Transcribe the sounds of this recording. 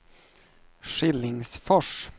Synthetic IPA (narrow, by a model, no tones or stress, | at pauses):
ʂɪlːɪŋsfɔʂ